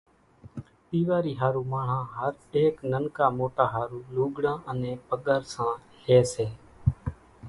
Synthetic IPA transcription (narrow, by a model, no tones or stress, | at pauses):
p̪iːʋaːɾiːɦaːɾuːmãːɳ̤ãːɦəɾeːknənkaːmoːʈaːɦaːɾuːluːɡɽãːʔənẽːpəɠəɾsãː | heːseː